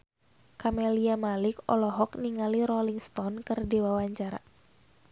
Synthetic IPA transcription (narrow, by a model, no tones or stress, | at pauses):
kamɛliamalikɔ̰lɔɦɔkniŋaliɾɔliŋst̪ɔnkɨrdiwawaɲt͡ʃaɾa̰